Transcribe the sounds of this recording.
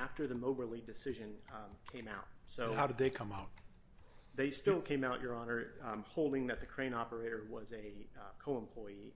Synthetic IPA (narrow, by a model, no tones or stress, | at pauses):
æftə˞ðɨmoʊbə˞lidɨsɪʒɨ̃nkʰẽɪ̃maʊt̚soʊhaʊɾɨd̪̚ðeɪkʰʌ̃maʊt̚ | ðeɪstɪlˠkʰẽɪ̃maʊt͡ʃə˞ɑnə˞hoʊlˠdɪ̃ŋðɨt̪̚ðɨkʰɹ̥ẽɪ̃ñɑpə˞eɪɾə˞wʌzɨkʰoʊə̃mpʰl̥ɔɪi